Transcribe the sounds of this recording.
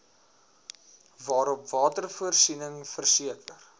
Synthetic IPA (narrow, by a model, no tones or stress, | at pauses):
vɑːɾɔpvɑːtərfuərsinəŋfərsiəkʰər